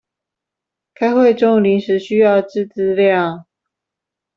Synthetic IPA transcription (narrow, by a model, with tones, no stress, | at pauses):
kʰa˥ɪxwe˥˨ɪʈ͡ʂo˥˩ŋli˨˥nʂɻ̩˨˥ɕy˥jɑ˥˧ʊʈ͡ʂɻ̩˥˨t͡sɹ̩˥ljɑ˥˨ŋ